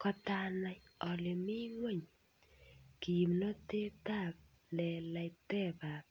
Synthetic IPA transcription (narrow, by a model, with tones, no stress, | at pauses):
kɔ˨t̪a˧na˨j | ɔ˨lɪ˨mi˦ŋwe˦˨ɲ | ki˨mno˦te˦t̪a˦˨p̚ | lɛ˨la˨jt̪ɛ˦˨pa˨p̚